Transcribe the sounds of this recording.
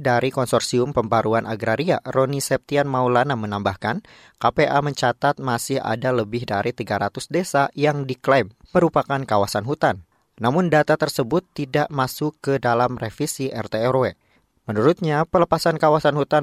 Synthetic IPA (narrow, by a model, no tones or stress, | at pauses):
daɾikɔnsɔrsiʊmpəmbaɾuanʔaɡɾaɾia̰ɾonisɛp̚t̪ianmaulanamənambahkan | kapeʔaməɲt͡ʃat̪at̪̚masɪha̰daləbɪɦdaɾit̪iɡaɾat̪ʊsdesajaŋdiklajmməɾupakankawasanɦut̪anː | amʊndat̪at̪ərsəbʊt̪ːidaʔmasʊkːədalamrefisiʔɛ̰rt̪eɛrwe | mənuɾʊt̪̚ɲapələpasankawasanhut̪a